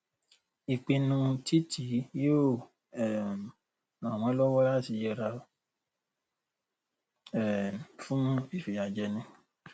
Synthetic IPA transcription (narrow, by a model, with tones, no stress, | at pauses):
i˨k͡pi˧nũ˧ti˦tʰi˨˦jo˦˨ | ɛ˨ | m̃˨w̃ɔ̃˨˦lɔ˦wɔ˦la˦˨ti˧jɛ˧ɾa˧ | ɛ˨fũ˦nũ˦i˦˨fi˨ja˨d͡ʒɛ˧nĩ˧